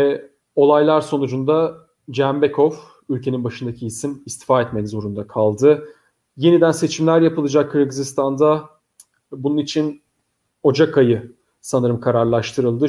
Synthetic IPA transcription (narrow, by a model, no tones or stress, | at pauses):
ɛ | o̞lˠajlˠaɾso̞nud͡ʒund̪a | d͡ʒɛmbekʰov | ylʲcʰe̞ninbaʃɯnd̪acʰiisimist̪ʰi̥faːɛt̪mɛkzo̞ɾund̪akʰalˠd̪ɯ | je̞nid̪ænse̞t͡ʃʰimlʲæɾjapɯlˠɯd͡ʒakʰːɯɾɡɯzist̪ʰand̪a | bununit͡ʃʰin | o̞d͡ʒakʰajɯ | sanɯɾɯmkʰaɾaɾlˠaʃt̪ʰɯɾɯlˠd̪ɯ